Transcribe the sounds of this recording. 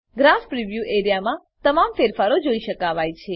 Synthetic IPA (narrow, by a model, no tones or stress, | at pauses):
ɡɾaspɾiʋjuʔeɾijamã | t̪əmamfeɾfaɾod͡ʒoiʃəkaʋajt͡ʃʰe